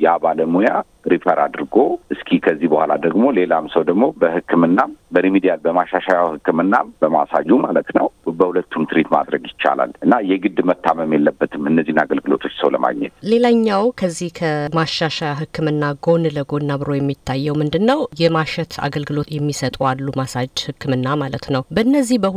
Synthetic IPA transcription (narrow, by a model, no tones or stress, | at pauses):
jabaləmuja | ɾifəɾad̪ɨɾɡo̞ʔɨskʰihkʰəzːihbəhʷalad̪əɡmo̞le̞lamsəwd̪əɡmo̞bəhɨkːɨmɨnːabəɾimid̪ijalbəmaʃaʃaahɨkːɨmɨnːabəma̰sa̰d͡ʒumalət̪nəwbəhulət̪ʰːumt̪ʰɨɾit̪ma̰d̪ɾəɡjɪt͡ʃːa̰la̰lɨnːajɛɡɨd̪mət̪ʰːaməmjelːəbːət̪ʰɨmɨnːəzːihnaɡəlɡɨlo̞̰t̪ʰo̞t͡ʃːsəwlə̰ma̰ɡɲɛ̰t̪le̞laɲːawkʰəzːihkʰəmaʃaʃajaɦɨkːɨmɨnːaɡo̞nləɡo̞nːabɨɾo̞jɛmːit̪ʰːajːɛwmɨnd̪ɨnːəwjɛmaʃɛt̪ʰa̰ɡəlɡɨlo̞t̪jɛmːisət̪ʼualːumasad͡ʒhɨkʰːɨmɨnːamalət̪nəwbəɨnːəzːihbə